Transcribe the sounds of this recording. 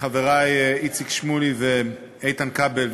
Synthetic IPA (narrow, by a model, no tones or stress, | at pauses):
χavɛɾaɪit͡sɪkʃmulivɪ | eɪtankabɛl